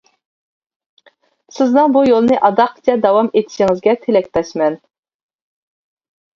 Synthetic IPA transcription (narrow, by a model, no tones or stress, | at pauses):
sɪznɨŋbujolˠnɨʔɑd̪ɑqt͡ʃʲʰɛd̪ɑwɑmet̪ʰɪ̥ʃɪŋɪzɡʲɛt̪ʰelɛk̚ʲt̪ɛʃmɛn